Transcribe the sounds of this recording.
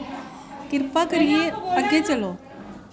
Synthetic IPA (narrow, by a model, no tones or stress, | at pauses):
kiɾpakəɾieəɡẽt͡səlo